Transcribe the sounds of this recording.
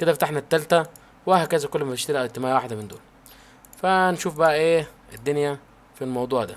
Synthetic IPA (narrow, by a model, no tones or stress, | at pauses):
ked̪æfæt̪aħnæt̪ːælt̪æ | wehækæzækolːmæt̪ɪʃt̪æɾiʔæwet̪ːɪmæːʔwaħd̪æmɪnd̪o̰ːl | fænʃuːfbæʔæʔeː | d̪ːʊnjæ | filmɑwd̪ˤuːʕd̪æ̰